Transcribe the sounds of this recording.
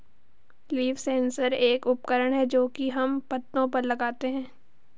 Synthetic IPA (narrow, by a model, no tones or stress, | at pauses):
liːfsɛ̃ːnsəɾeːkʊpkəɾəɽ̃ɦɛd͡ʒoːkiɦɐmpɐt̪nõpɐɾlɐɡaːt̪eɦɛ̃ː